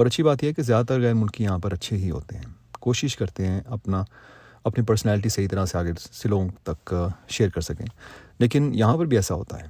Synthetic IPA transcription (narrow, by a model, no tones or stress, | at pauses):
ɔːɾɐtːʃʰibaːt̪jeɦɛkezjaːd̪at̪ɐɾɣɛːɾmʊlkĩjɐɦãpɐɾɐtːʃʰeɦiɦo̰ːt̪eɦɛ̰̃ː | koːʃɪʃkɐɾt̪eɦɛ̃ʔɐpna | ɐpnipɐɾsnɛːlɪʈ̬isɐɦit̪ɐɾaseaːɡesɪlõt̪ɐkʃeːɾkɐɾsɐkḛ̃ːleːkɪnjɐɦãpɐɾbʱiɛːsaɦo̰ːt̪a̰ɦɛ̰ː